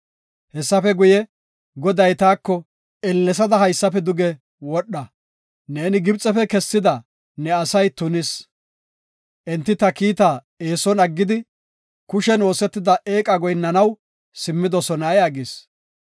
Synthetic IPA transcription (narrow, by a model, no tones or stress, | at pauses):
hɛsːɐfɛɡʊjɛ | ɡɔd̪ɐjt̪aːkːɔ | ɛlːɛs̬ɐd̪ɐɦɐjsːɐpɛd̪ʊɡɛ | wɔɗːɐ | neːnɪɡɪbt͡sʼɛfɛkɛsːɪd̪ɐ | nɛɐsɐjt̪ʊnɪs | ʔɛnt̪ːɪt̪ɐkiːt̪a | eːsɔnɐɡːɪd̪ɪ | kʊʃɛno̞ːsɛt̪ːɪd̪ɐʔeːkʼɐɡɔjnːɐnɐw | sɪmːɪd̪ɔsɔnɐjɐɡɪs